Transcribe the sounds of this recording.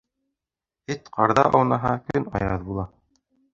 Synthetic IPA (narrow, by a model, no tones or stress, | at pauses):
hit̪qɑɾðɑʔɑwnɑɦɑkɵnɑ̰jɾɤðbulˠɑ